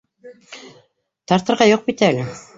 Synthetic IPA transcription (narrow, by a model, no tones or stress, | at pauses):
t̪ɑɾt̪ɤ̆ɾʁɑjoq̚pit̪æælɘ